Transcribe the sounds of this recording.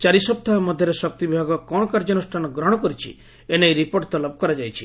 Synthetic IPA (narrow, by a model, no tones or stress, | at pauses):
t͡ʃaɾisɔp̚t̪ʰamɔd̪ʱjɔɾesɔkt̪ibibʱaɡɔkɔɽ̃ɔkaɾd͡ʒɔnusʈʰanɔɡɾɔɽ̃ɔkɔɾit͡ʃʰḭ | enejɾipoɾʈt̪ɔlɔpɔkɔɾad͡ʒajt͡ʃʰi